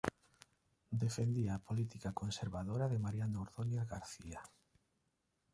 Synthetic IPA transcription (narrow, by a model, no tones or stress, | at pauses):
d̪efend̪iaːpolit̪ikakonseɾβaðoɾaðemaɾjanoːɾðoneðɣaɾθia